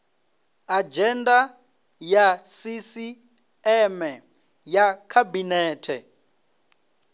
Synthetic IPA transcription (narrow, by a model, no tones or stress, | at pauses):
ad͡ʒɛnda | jasisi | ɛmɛ | jakʰabinɛːtʰɛ